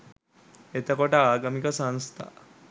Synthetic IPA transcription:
et̪akɔʈaːɡamikasãnst̪ʰa̰

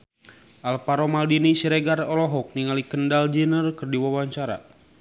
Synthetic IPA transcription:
ʔalpaɾomaldinisiɾɛɡarɔlɔɦɔk̚niŋalikəndald͡ʒinərkərdiwawaɲt͡ʃaɾa̰

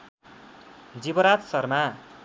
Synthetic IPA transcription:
d͡zibʌɾatsʌrma

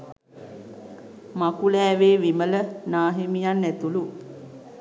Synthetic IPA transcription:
makulɛːʋeːʋimələnaːɦimijanːæt̪ulu

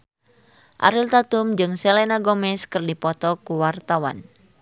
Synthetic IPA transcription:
ʔa̰ɾilt̪at̪umd͡ʒɨŋsɛlɛnaɡɔmɛskɨrdipɔt̪ɔkuwart̪awa̰n

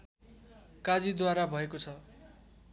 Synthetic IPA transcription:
kad͡zid̪waɾabʱʌekot͡sʰʌ

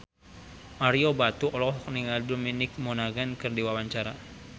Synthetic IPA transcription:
maɾiobat̪uʔɔlɔɦɔk̚niŋaldominɪk̚monaɡankɨrdiwawaɲt͡ʃaɾa

